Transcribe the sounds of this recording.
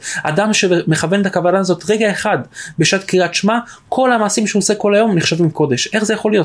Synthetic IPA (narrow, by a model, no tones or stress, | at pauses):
a̰damʃe̞me̞χave̞net̪akavanaːzo̞t̪ʁeɡae̞χad̪beʃat̪kiʁat̪ʃma | kʰo̞lhamaːsimʃeuoseko̞lajo̞mniχʃavimko̞de̞ʃʔe̞χzejaχo̞lijo̞